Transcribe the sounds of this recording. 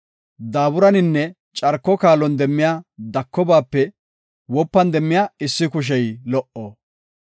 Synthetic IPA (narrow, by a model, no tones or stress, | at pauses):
d̪aːbʊɾɐnɪnːɛ | t͡ʃʼɐɾkːɔkaːlɔnd̪ɛmːɪjaːd̪ɐkːɔbaːpːɛ | wɔpːɐnd̪ɛmːɪjaːɪsːɪkʊʃ̬ɛjlɔʔɔ